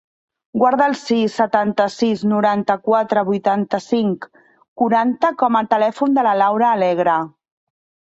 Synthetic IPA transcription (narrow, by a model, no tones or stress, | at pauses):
ɡwaɾðəːlˠsisːət̪ant̪əsiznuɾant̪əkwat̪ɾəβujt̪ant̪əsiŋk | kuɾant̪əkɔmət̪əlɛfund̪ələlawɾəːlɛɣ̞ɾə